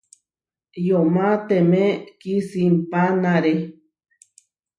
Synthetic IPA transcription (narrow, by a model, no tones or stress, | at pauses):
jomãt̪emẽkisimpanaɾe